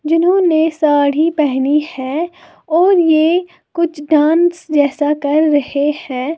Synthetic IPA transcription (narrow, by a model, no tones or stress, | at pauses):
d͡ʒɪnɦõːnesaːɽ̤ipɛɦnihɛ̃ | ɔːɾje | kʊt͡ʃʰɖãːnsd͡ʒɛːsakɐɾːɐhehɛ̃ː